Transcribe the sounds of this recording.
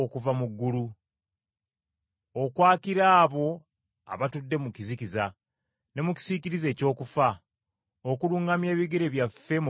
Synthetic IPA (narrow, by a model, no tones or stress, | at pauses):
okuvamuɡːulu | okwaːkiɾaːβo̞ | a̰βatudːe̞mukizikiza | ne̞muci̥siciɾize̞ːco̞ːkufa | okuluːŋɡamje̞ːβiɡe̞ɾe̞βjafe̞m